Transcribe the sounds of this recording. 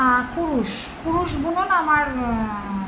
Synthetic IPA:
akuɾuʃkuɾuʃbunonamaɾ

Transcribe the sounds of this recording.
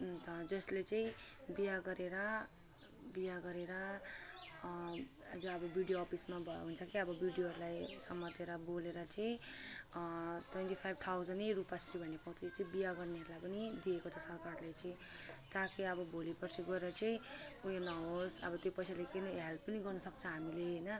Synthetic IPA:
t̪ʌd͡zʌslet͡sʌ̃ĩbijaɡʌɾeɾʌ | bijaɡʌɾeɾʌ | d͡zoʌbʌbjuɽijoʌpʰismabʱʌjo̰ɦunt͡sʰʌkiʌbʌbjiuɽijoɦʌɾulajsʌmːʌt̪eɾʌboleɾʌt͡sʌĩ | t̪wenʈipʰajbʱt̪ʰawd͡zʌnejrupasribʱʌnːepaw̃t͡sʰʌit͡sʌĩbijaɡʌrneɦʌɾulajpʌnid̪iekot͡sʰʌsʌrkarlejt͡sʌĩt̪akiʌbʌbʱolipʌrsʰiɡʌeɾʌt͡sʌĩuɦenʌɦosʌ̰bʌt̪jopʌjsalekeneɦalpʌniɡʌrnʌsʌk̚t͡sʰʌɦamileɦʌjnʌ

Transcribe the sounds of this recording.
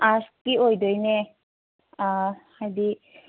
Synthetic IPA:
askiojd̪ɔjne | a | ajd̪i

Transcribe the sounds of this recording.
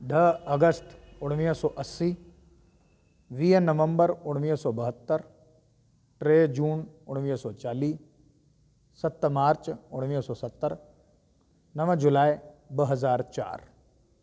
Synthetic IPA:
ɖ̪ʱəɐɡəst̪ʊɽʋiːsɔːʔɐsːiː | ʋiːnɐʋə̃mbəɾʊɽʋiːsɔːbɐɦət̪ːəɾ | ʈɾeːd͡ʒuːnʊɽ̃ʋiːsɔːt͡ʃaːliː | sɐt̪ːmaːɾt͡ʃʊɽ̃ʋiːsɔːsɐt̪ːəɾ | nɐʋəd͡ʒʊlaːibəɦɐzaːɾt͡ʃa̰ːɾ

